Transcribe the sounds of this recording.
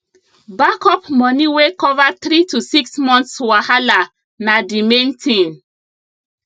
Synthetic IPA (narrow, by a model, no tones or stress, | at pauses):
bakɔpmɔniwekɔvat̪ɾitusiksmɔ̃nt̪swahala | nadimẽntʰĩn